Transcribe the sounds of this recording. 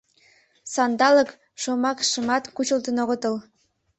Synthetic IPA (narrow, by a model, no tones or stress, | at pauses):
sɑnd̪ɑlɤ̆k | ʃomɑkʃɤ̆mɑt̪kut͡ɕɤ̆lt̪ə̆noɣɤ̆t̪ɤ̆lˠ